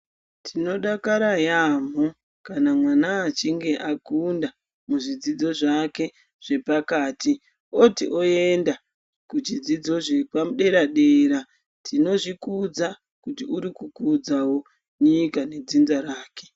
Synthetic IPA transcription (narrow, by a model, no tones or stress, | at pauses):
tʰino̞ɗakaɾajam̤o | kanamwanaːt͡ʃiŋɡe̞ʔakunda | muʐid͡zid͡zo̞ʐake̞ | ʐ̥e̞pakaːti | otḭʔo̞e̞nda | kud͡ʒid͡zid͡zo̞ʐepamuɗe̞ɾaɗeɾa | tʰino̞ʐikud͡za | kutiuɾikukud͡zawo̞ | ɲikane̞d͡zinzaɾaːke̞̥